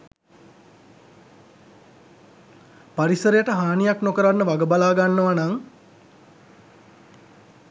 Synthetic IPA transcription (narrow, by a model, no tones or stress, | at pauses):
paɾisəɾejəʈəɦaːnijaknokəɾanːəʋaɡəbalaːɡanːoʋanaŋ